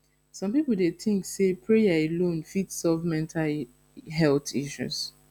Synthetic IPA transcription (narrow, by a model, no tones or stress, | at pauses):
sɔ̃mpipul̩deθĩŋksepɹejaelõnfitsɔvmɛ̃ntʰal | ɦɛltiʃṵs